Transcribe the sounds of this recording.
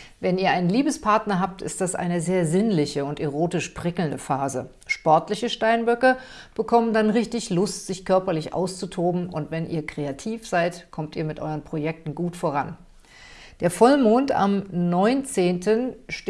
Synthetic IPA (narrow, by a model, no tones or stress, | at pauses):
vɛniːɐʔaɪnənliːbəspʰaɐtnɐɦaːp̚tɪ̰st̚d̥asʔa̰ɪnəzeːɐzɪnlɪçəʊnteʁoːtɪʃpʁ̥ɪkl̩ndəfaːzə̰ | ʃpɔɐtlɪçəʃtaɪnbœkɐ | b̥əkʰɔməndanʁɪçtɪçlʊstz̥ɪçkʰœɐpɐlɪçʔa̰ʊst͡sutʰoːbm̩ʊntv̥ɛnʔiːɐkʁ̥eatʰiːfz̥aɪtkʰɔmtiːɐmɪtʔɔ̰ʏʁənpʁ̥ojɛk̚tn̩ɡuːtfoːʁ̞a̰n | d̥eːɐfɔlmoːnta̰mnɔʏnt͡seːntʰənʃ